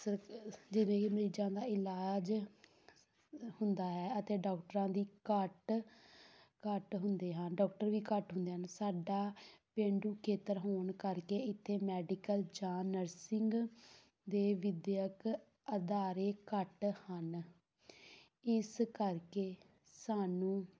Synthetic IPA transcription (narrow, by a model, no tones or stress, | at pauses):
səɾd͡ʒɪʋẽːkɪməɾiːd͡ʒãːd̪aːɪlaːd͡ʒ | hʊnd̪aːɦɛːət̪eːɖaːkʈəɾãːd̪iːkəʈ | kəʈɦʊnd̪eːɦənɖɔːk̚ʈəɾʋiːkəʈɦʊ̃nd̪eːɦənsaːɖaːpẽːɳɖuːkʰeːt̪əɾɦoːɳkəɾkeːɪt̪ʰːeːmɛːɖɪkəld͡ʒaːnəɾsɪŋɡ | d̪eːʋɪd̪jək | əd̪aːɾeːkəʈhən | ɪskəɾkeː | saːnũː